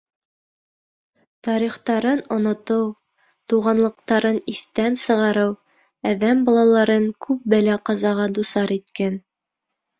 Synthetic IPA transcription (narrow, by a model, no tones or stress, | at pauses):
t̪ɑɾiχt̪ɑɾɤnŏnŏt̪ɤw | t̪uʁɑnlˠɤ̆q̚t̪ɑɾɤniθt̪ænsɤ̆ʁɑɾɤw | æðæmbɑlˠɑlˠɑɾɤŋkʰʉp̚bælæqɑzɑʁɑd̪usɑɾit̪kæn